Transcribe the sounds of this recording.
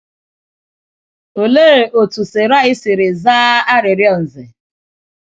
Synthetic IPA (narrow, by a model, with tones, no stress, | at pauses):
o˨le˦ɾe˨ʔo˨tu˨se˨ɾa˦ɪ˦sɪ˨ɾɪ˨zaː˦a˦ɾɪ˨ɾjɔ˨n̩˨zɪ˨